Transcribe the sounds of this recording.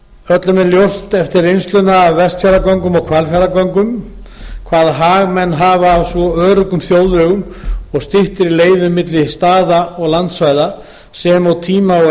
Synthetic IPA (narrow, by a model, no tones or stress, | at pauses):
œt̪lʏmɛnljowst̪ɛft̪ɪɾejnst̪lʏnaːvːɛst̪fjaɾakɔŋkʏmɔɣkʰv̥ɛlfjaɾakɔŋkʏm | kʰvaːðɦaːɣmɛnːɦaːvavsɔœːɾʏkʏmθjoːwðœɣʏmɔɣst̪ɪht̪ɪɾileːjðʏmːɪt̪lɪst̪aːðaɔɣlant̪svajða | sɛmawt̪ʰiːmaɔ